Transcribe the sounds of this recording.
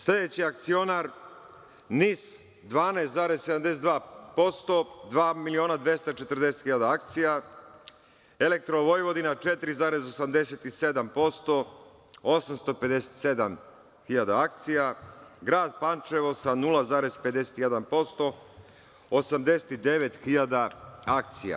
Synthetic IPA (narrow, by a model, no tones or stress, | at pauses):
slʲe̞d̪et͡ɕiak̚t̪sio̞naɾ | nis | d̪ʋaːneːst̪zaːɾezsed̪amd̪esed̪ʋaːpo̞st̪o̞d̪ʋaːmilio̞ːnad̪ʋje̞st̪at͡ʃet̪ɾ̩d̪e̞set̪xiʎad̪aak̚t̪sija | elek̚t̪ɾo̞ʋojʋo̞d̪inat͡ʃe̞t̪ɾizaːɾe̞zosamd̪e̞set̪ised̪ampo̞st̪o̞ | osamst̪ope̞d̪ese̥t̪se̞d̪am | xiʎad̪aakt̪sijaɡɾaːd̪pant͡ʃeʋosanulˠazaːɾezpe̞d̪e̞se̥t̪jed̪anpo̞st̪o̞ | osamd̪e̞se̥t̪id̪e̞ʋet̪xiʎad̪aak̚t̪sija̰